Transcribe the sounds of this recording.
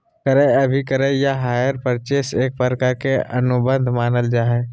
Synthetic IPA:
kəɾeɐbʱikəɾejaɦaːjəɾpəɾt͡ʃeːseːk̚pəɾkakeʔɐnʊbə̃nd̪ʱmaːnəld͡ʒaːɦẽ

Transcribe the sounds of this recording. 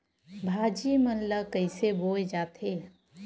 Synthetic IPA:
bʱaːd͡ʒimənlakəɪseboːed͡ʒaːt̪ʰeː

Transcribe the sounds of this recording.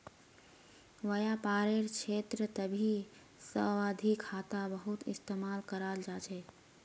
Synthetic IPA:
ʋəjapaɾeɾkʰet̪ɾət̪əbʱi | səad̪ʱikʰat̪abəɦut̪ḭst̪emalkəɾald͡ʒat͡ʃʰɛ

